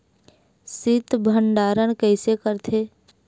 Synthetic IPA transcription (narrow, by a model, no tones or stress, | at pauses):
sɪt̪bʱəɳɖaːɾənkɛːsekəɾt̪ʰeː